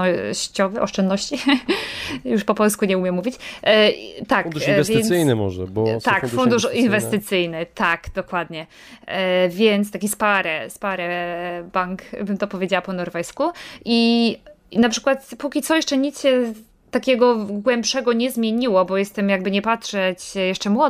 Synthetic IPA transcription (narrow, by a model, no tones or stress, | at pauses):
ɔɕt͡ɕɔvɘʔɔʂt͡ʂɛnd̪nɔɕt͡ɕi | juʂpɔpɔlskuɲɛumʲjɛmuvʲit͡ɕ | t̪akd̪uivɛvɘjnɘmɔ̰ʐɛ̰bɔt̪akfund̪uʂinvɛst̪ɨt̪sɘjnɘt̪akd̪̥ɔkwad̪ɲɛ | vʲjɛnt̪st̪akʲispaɾɛspaɾɛbaŋkbɘmt̪ɔpɔvʲjed͡ʑawapɔnɔɾvɛjskui | napʂɘ̥kwat̪pukʲit̪sɔjɛʂt͡ʂɛɲit̪sɕɛ | t̪akʲɛɡɔɡwɛmpʂɛɡɔɲɛzmʲjeɲiwɔbɔjɛst̪ɛmjaɡ̚bɘɲɛpatʂɛt͡ɕjɛʂt͡ʂɛmwɔ